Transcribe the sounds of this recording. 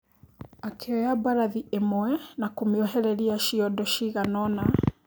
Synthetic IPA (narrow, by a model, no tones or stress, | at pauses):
akʰɛɔjabaɾaðiʔɛmɔɛnakumiɔɦɛɾɛliaʃiɔdɔʃiɣanɔna